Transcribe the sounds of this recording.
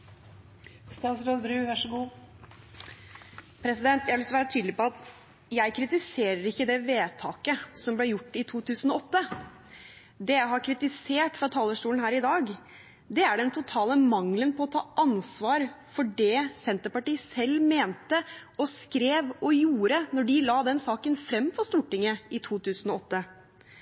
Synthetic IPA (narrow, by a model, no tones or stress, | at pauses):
st̪ɑslod̪bɾʉːʋæʂəɡuː | pʰɾɛsɪd̪ɛnt̪jæɪʋɪlɪsɔʋæːɾət̪ʰyːd̪lɪpɔɑt̪ | jæɪkʰɾɪt̪ɪseːɾəɾɪkːəd̪ɛʋeːt̪ʰɑːkəsɔmblɛjʊʈːɪt̪ʰuːt̪ʰʉːsn̩ɔɔt̪ːə | d̪ɛjæɪɦɑɾkʰɾɪt̪ɪseːʈfɾɑt̪ʰɑːləʂʈuːln̩hæːɾɪd̪ɑːɡ | d̪ɛæɖɛnt̪ʰʊt̪ʰɑːləmɑŋlənpʰɔɔt̪ʰɑːʔɑnsʋɑːɾfɔɖɛsɛnt̪əɾpɑʈiːsɛlːmeːnt̪ə | ɔskɾeːʋɔjuːɾənɔɖɪlɑːd̪ɛnsɑːkənfɾɛmːfɔɾst̪uːʈɪŋːəɪt̪ʰuːt̪ʰʉːsn̩ɔɔt̪ːə